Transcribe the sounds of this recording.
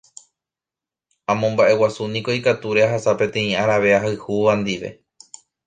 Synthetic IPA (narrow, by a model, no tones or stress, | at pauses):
ãmõ̞mbaʔe̞wasunĩko̞ikat̪uɾe̞aɦasapẽ̞t̪ẽ̞ĩaɾaʋe̞aɦaɨhuʋand̪iʋe̞̰